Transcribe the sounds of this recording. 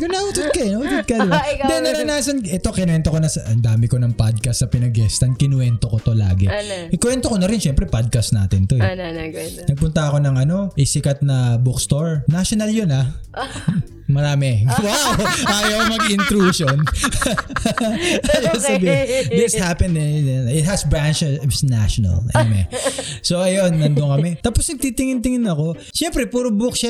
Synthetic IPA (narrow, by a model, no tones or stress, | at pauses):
ɡʊnaʔut̪ʊd̪̚kɐɛnot̪ɪd̪̚kɐd̪d̪ɛnɐɐnaːsɐnʔɛt̪o̞kɪnwɛnt̪okonɐsɐʔɐnd̪aːmɪko̞nɐŋpad̪̚kɐsːɐpɪnɐɡɛst̪ɐnkɪnwɛnt̪okot̪o̞la̰ːɡɛ̰ʔɪkwɛnt̪oko̞nɐɾɪnʃɛmpɾɛpad̪̚kɐsna̰ːt̪ɪnt̪o̞ɛ | nɐɡ̚pʊnt̪ɐɐko̞nɐŋʔɐno̞ʔɪsɪkɐt̪̚nɐbukst̪oɹnaʃonɐljona | mɐɾaːmɛɡɐwaʔaːjɐwmɐɡɪnt̪ɾuːʃon | ajɐsɐbɪd̪ɪshapɛnd̪ɛɛɪt̪hɐsbɹant͡ʃsnaʃonɐ̰lɛ̰mɛ̰soʔɐjonːɐnd̪oŋkɐmɛt̪aːposnɐɡ̚t̪iːt̪ɪŋɪnt̪ɪŋɪnɐko̞ | ʃɛmpɾɛpuːɾobukʃa